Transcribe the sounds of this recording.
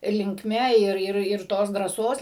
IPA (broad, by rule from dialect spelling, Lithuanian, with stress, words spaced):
lʲɪŋkˈmʲɛ ˈɪr ˈɪr ɪr ˈtoːs drɑːˈsoːs